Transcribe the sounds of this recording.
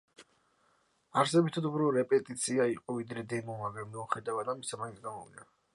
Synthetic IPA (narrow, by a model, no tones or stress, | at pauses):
aɾsɛbit̪ʰad̪ubɾuɾɛpʼɛt̪ʼit̪sʰiaiqʼɔvid̪ɾɛd̪ɛnumavɛmiuχɛd̪avad̪amisamaint̪sʰɡamɔvḭna